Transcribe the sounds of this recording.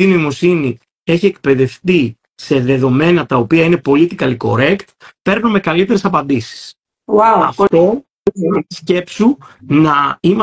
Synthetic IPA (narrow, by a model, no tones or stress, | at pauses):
ino̞imo̞sini | e̞çie̞k̚pe̞ðe̞fθi | se̞ðe̞ðo̞me̞nɐt̪ɐo̞piɐine̞po̞lit̪ikɐliko̞̰ɾe̞kt̪pe̞ɾnome̞kɐlit̪e̞ɾesɐpɐnd̪isi̥s | waɐft̪o̞ | eisce̞psunɐimɐ